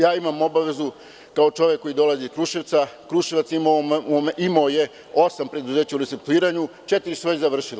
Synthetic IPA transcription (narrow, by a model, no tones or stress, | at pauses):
jaːimamo̞baʋe̞zu | kao̞t͡ʃo̞ʋje̞kːo̞jid̪o̞lˠaziskɾuʃiʋt̪sakɾuʃilˠat̪simoimaoje̞ | o̞sampɾe̞d̪uze̞ːt͡ɕauɾiseɾt̪uiːɾaɲut͡ʃet̪iɾisuʋezaʋr̩ʃila